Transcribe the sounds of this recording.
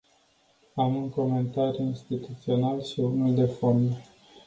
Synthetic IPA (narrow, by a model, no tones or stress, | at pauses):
amuŋko̞me̞nt̪arjinst̪it̪ut̪sio̞nalʃiunuld̪e̞fone